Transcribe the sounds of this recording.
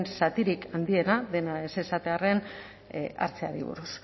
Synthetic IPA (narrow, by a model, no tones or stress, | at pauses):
nsat̪iɾikand̪ie̞naðe̞nae̞se̞sat̪e̞are̞n | a̰ɾt͡sea̰ɾḭβṵɾus